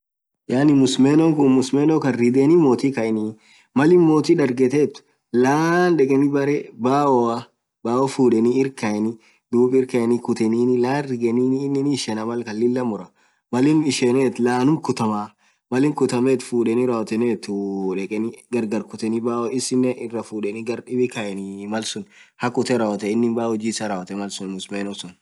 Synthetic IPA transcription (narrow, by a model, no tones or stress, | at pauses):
jaːnɪmʊsmɛnɔŋkʊmʊsmɛnɔkɐnɾɪd̪ɛnimoːt̪ikɐʔɪni | mɐlɪnmoːt̪iᶑɐɾɡɛt̪eːt̪ʊ̥ | laːnᶑɛkʼɛnɪbɐɾɛbaːwɔɐ | baːɔfuːᶑɛniɪɾkɐɛnɪ | d̪uːpʼɪɾkɐɛnɪkʊt̪ɛniːnɪlaːnrɪɡɛniːnːnɪnːʃɛnɐmɐlkɐlːɪlːɐmʊɾɐ | mɐlɪnɪʃɛneːt̪laːnʊmkʊt̪ɐmaː | mɐlɪmkʊt̪ɐmɛt̪fuːᶑɛniɾaːwɐt̪ɛneːt̪ʊᶑɛkʼɛnɪɡɐɾɡɐɾkʊt̪ɛnɪbaːwɔɪsɪnːɛʔɪrːɐfuːᶑɛnɪɡɐɾɗɪbɪkɐjɛnɪmɐlsʊnhɐkʊt̪ɛɾaːwɐt̪ɛɪnːɪnbaːwɔd͡ʒiːsɐɾaːwɐt̪ɛmɐlsʊnmʊsmeːnɔsʊn